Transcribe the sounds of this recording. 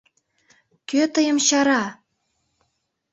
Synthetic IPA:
køt̪əjəmɕɑɾɑ

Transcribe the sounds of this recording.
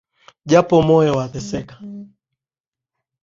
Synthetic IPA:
d͡ʒapɔmɔɛwaθɛsɛkḁ

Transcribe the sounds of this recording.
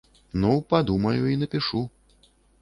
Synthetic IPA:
nuwpad̪umɐjuinɐpʲiʂu

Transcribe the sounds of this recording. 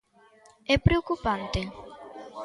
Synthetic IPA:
epɾeokupant̪e

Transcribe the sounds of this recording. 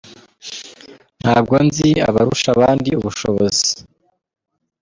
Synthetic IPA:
n̥haːbɡonzia̰βaɾuʃaβaːndiuβuʃoβozi

